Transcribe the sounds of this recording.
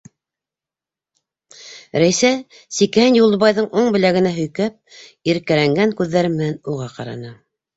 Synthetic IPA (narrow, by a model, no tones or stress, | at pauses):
ɾæjsæ | sikhænjulˠɤ̆βɑjðɤɴʔuɴbɘ̆læɡɘ̆næɦɵ̆jkæp̚iɾkælæŋɡæŋkʉðːæɾɘmmːɘ̆nænuʁɑqɑ̰ɾɑ̰nɤ